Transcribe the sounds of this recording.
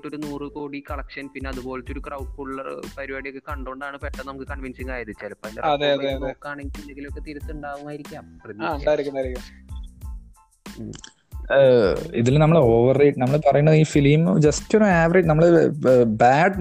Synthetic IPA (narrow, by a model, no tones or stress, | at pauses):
ʈːoɾunuːrɨko̞ːɽikɐɭɐkʂɐnpinːeɐðubo̞ːlet̪ːo̞ɾukrɐwʈ̚kuɭːɐr̰pɐɾiʋaɽijokːekɐɳɖuɳɖaːɳɨpeʈːɐnɐmukːɨkɐɳʋinsiŋaːjɐt̪it͡ɕːaːlpːoːindeɐðeɐeɐðekːaːɳeŋɡiund̪eŋɡilokːet̪iɾut̪ːuɳɖaːʋumaːjiɾikʲːaːmprɐt̪jaːɳɖaːjiɾikʲːund̪aːiɾikʲː | ḭðilnɐmːɐɭoːʋɐrːejʈnɐmːɐɭpɐrɐjuɳːɐðiːfilimd͡ʑɐstːoɾɐaːʋɐreʈnɐmːɐɭɨbaːɖ